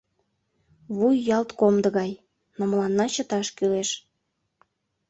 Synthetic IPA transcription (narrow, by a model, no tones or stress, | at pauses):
βujːɑlt̪komd̪ə̆ɣɑj | nomlɑnːɑt͡ɕət̪ɑʃkyleʃ